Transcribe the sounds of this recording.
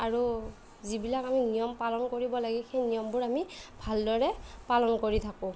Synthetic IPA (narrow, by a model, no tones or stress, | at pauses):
aɹu | zibilakaminijɔmpalɔnkoɹibɔlaɡɛxejnijɔmbʊɹamibʱaldɔɹɛpalɔnkoɹit̪ʰakʊ̃